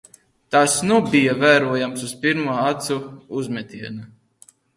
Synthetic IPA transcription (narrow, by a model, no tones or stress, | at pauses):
t̪asnubijavæːɾuɔjamsuspiɾmuɔat̪suuzmʲɛt̪ʲiɛna